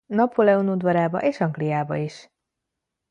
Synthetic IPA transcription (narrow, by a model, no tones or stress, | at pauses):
nɒpolɛonud̪ʋɒɾaːbɒ̰ʔeːʃɒŋɡlijaːbɒ̰iʃ